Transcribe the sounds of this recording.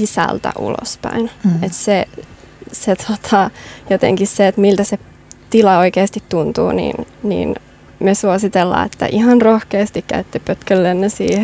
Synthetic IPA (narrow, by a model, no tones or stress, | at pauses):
sisæ̰lt̪æ̰ʔṵlo̰spæ̰inet̪se | set̪ʰot̪ʰɑjot̪ḛŋkisseet̪milt̪æse | t̪ilɑoikeːst̪it̪tunt̪uːnḭnnḭːn | myøsuosit̪elːɑ̰ːḛt̪ːæ̰ʔihɑnrohkeːst̪ikkæ̰yt̪ːipøt̪kølːenːesḭːh